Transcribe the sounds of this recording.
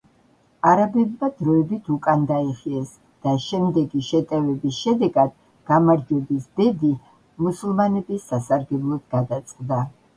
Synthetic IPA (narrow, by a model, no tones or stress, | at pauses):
aɾabɛbmad̪̥ɾɔɛbit̪ʰukʼand̪aiχiɛs | d̪̥aʃɛmd̪ɛɡiʃɛt̪ʼɛvɛbisʃɛd̪ɛɡad̪̥ | ɡ̥amaɾd͡ʒwɛbisb̪ɛd̪i | musulˠmanɛbisːasaɾɡɛblˠɔd̪ɡad̪at̪sʼqʼd̪a